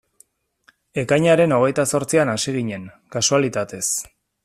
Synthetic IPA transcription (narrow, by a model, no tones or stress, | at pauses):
e̞kajɲaɾe̞no̞ɣ̞e̞jt̪aso̞ɾt͡sianasiɣiɲe̞ŋ | kasualit̪at̪e̞s